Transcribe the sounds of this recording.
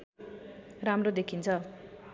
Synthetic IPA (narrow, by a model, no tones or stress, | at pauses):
ramrod̪ekʰint͡sʰʌ